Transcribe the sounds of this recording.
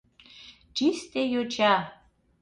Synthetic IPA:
t͡ʃist̪ejot͡ɕa

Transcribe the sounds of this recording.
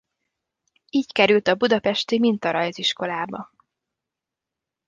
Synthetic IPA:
iːckɛɾylt̪ɒbud̪ɒpɛʃt̪imint̪ɒɾɒjziʃko̞laːbɒ

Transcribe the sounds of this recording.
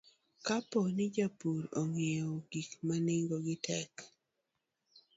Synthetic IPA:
kaponɪd͡ʒapuɾɔŋioɡ̥ikmanɪŋɡɔɡɪtɛk

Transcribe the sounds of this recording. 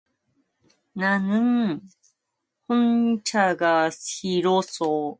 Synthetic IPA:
nanɯŋ | hont͡ɕaɡasiɾoso

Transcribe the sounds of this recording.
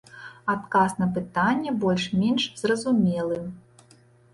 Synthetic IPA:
at̪kasnɐp̬ɨt̪anʲːɛbɔlʲʂmʲɛnʂz̥rɐzumʲɛlˠɨ

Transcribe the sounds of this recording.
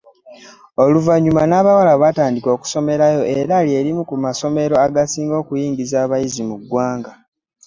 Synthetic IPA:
o̞luvaɲːumanaːβawalaβataːndiko̞ːku̥so̞me̞ɾajo̞ʔe̞ɾalje̞ːɾimukumaso̞me̞ɾo̞aɡasiːŋɡo̞ːkujiːŋɡizaːβajizimuɡwaːŋɡa

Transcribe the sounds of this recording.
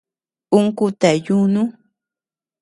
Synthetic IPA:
ʊŋkʊt̪ajʊnʊ

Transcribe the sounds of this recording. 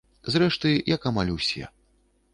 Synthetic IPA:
zrɛʂt̪ɨjɐkamalʲwsʲɛ̰

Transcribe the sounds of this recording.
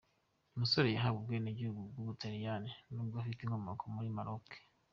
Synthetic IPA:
umusoɾe̞jeɦaɡubɡweneɟihuɡubɡuɡutaɾijaninuːb̚ɡoafitiŋhomokʰomuɾimaɾoke̥

